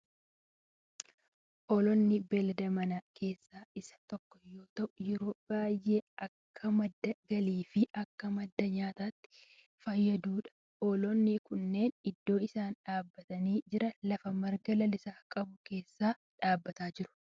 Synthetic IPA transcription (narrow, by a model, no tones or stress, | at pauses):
ʔɔlɔnːɪbɛlɐd̪ɐmɐnakʰe̞ːsːaːɪsɐ̥t̪ɔkːɔ̥jo̞ːt̪ɐʔʊjɛɾo̞ːb̥aːjːeːɐkʰːɐmɐd̪ːɐɡɐliːfɪʔɐkːɐmɐd̪ːɐɲaːt̪aːt̪ːɪ̥ | fɐjːɐd̪uːᶑɐ̥ | ʔɔlɔnːɪkʊnːe̞ːnɪd̪ːo̞ːɪsaːnᶑaːbːɐt̪ɐniːd͡ʒɪɾɐlɐfɐmɐɾɡɐlɐlɪsaːkʼɐbʊke̞ːsːaː | ᶑaːbːɐt̪aːd͡ʒɪɾʊ̥